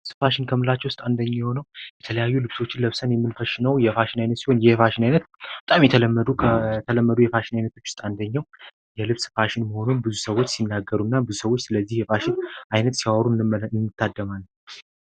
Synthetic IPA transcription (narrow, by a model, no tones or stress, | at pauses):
sɨ̥faʃɪnkʰəmɨlat͡ʃːɛwʊst̪ʼand̪əɲːajhonəwjɛt̪ʰələjajːulɨβso̞t͡ʃːɪnləβsənjɛmːɨnfəʃɪnəwjɛfaʃɪnajnət̪siho̞njɛfaʃɪnajnət̪bət̪ʼamjɛt̪ʰələmːəd̪ut̪ʰələmːəd̪ujɛfaʃɪnajnət̪ʰo̞t͡ʃːwʊst̪ʼand̪əɲːaw | jɛlɨβsfaʃɪnməho̞nunbɨzusəwo̞t͡ʃːsinːaɡːəɾunːabɨzusəwot͡ʃːsɨləzːihjɛfaʃɪnʔajnət̪siwawɾuɨnːɨt̪ːad̪ːəmalː